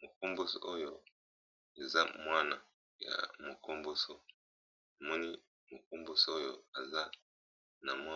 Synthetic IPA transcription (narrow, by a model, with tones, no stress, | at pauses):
mo˨ko˦mbo˦so̰˨ʔo˦jo˦˨ | e˨za˦mwa˦na˨ | ja̰˨mo˨ko˦mbo˦so˨ | a˨mɔ˦ni˦ | mo˨ko˦mbo˦so˨˦o˦jo˨a˨za˦ | na˨mwa˦